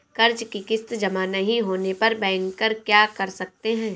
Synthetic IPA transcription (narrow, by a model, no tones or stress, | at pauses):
kɐɾt͡ʃkikɪst̪d͡ʒɐmanɐɦĩɦoːnepɐɾbɛ̃ːəŋkɐɾkjaːkɐɾsɐk̚t̪eɦɛ̃ː